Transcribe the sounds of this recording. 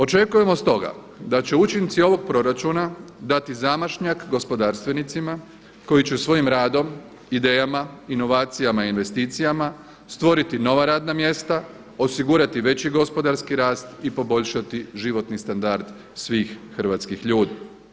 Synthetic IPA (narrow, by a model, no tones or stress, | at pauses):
o̞t͡ʃe̞kuje̞mo̞st̪o̞ɡa̰ | d̪at͡ɕeut͡ʃint̪sio̞ʋo̞ɡ̚pɾo̞ɾat͡ʃunad̪at̪izamaʃɲakɡo̞spo̞d̪aːɾst̪ʋenit̪sima | ko̞jit͡ɕesʋo̞jimɾaːd̪o̞m | id̪eːjamaino̞ʋaːt̪sijamaiinʋe̞st̪iːt̪sijama | st̪ʋo̞ɾit̪ino̞ʋaɾaːd̪namje̞st̪a | o̞siɡuːɾat̪iʋe̞t͡ɕiɡo̞spo̞d̪aɾskiɾaːst̪ipo̞bo̞ʎʃat̪iʒiʋo̞t̪nist̪and̪aɾd̪ | sʋiːxxr̩ʋat̪skixʎuːd̪i